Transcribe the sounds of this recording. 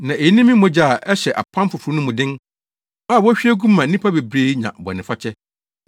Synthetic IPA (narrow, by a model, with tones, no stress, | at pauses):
nã˨e˨ji˦nĩ˦mĩ˦mʊ̃˨˦d͡ʑa˨ʔɛ˦ɕɛ˨ʔa̰˨pʰã˦m˦fʊ˨fu˨ɾu˦nʊ̃˦mʊ̃˨dɪ̃˦n | a˦˨wɔ˦ɕᶣi˦æ˦ɡũ˦mã˨˦nĩ˦pʰa˦be˨bɾe˦ɲã̰˨bɔ̰˨nɪ̃˨fa˦t͡ɕʰɛ˦